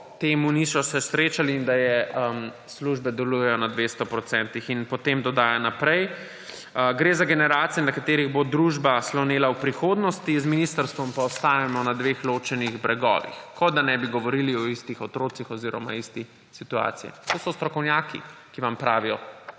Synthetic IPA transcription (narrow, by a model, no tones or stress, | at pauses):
t̪eːmunisɔsɛsɾeːt͡ʃaliːnd̪ajɛəm | sluʒbɛd̪ɛlujɛjɔnad̪ʋest̪ɔpɾɔt̪sɛnt̪ixinpɔt̪emd̪ɔd̪aːjanapɾɛj | ɡɾezaɡɛnɛɾaːt̪sijɛnakat̪eːɾiɣbod̪ɾuʒbaslɔneːlawpɾixoːd̪nɔst̪izminist̪əɾst̪ʋɔmpaɔst̪aːʋimɔnad̪ʋeːxloːt͡ʃɛniɣbɾɛɡɔ̰ːʋḭxkɔd̪anɛbiɡɔʋɔɾiliɔist̪ixɔt̪ɾoːt̪sixɔziːɾɔma̰ist̪i | sit̪ua̰ːt̪sijɛ̰t̪osɔst̪ɾɔkɔwnjaːkḭkiʋampɾaːʋijɔ